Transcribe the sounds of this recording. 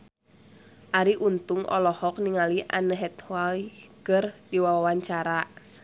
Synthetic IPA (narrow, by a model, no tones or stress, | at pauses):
ʔaɾiʔunt̪ʊŋɔ̰lɔhɔk̚niŋaliʔa̰nəɦɛt̪hwakərdiwawawaɲt͡ʃaɾaʔ